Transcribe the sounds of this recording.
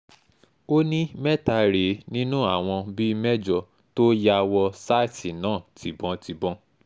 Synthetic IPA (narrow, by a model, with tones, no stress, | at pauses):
o˦nĩ˦mɛ˦ta˧ɾe˨˦nĩ˦nũ˦a˦˨w̃ɔ̃˧bi˦˧mɛ˦d͡ʒɔ˧ | to˦ja˧wɔ˧sa˦i˦˨ti˨nãː˨˦˨tʰi˨bɔ̃˧˦ti˧bɔ̃˧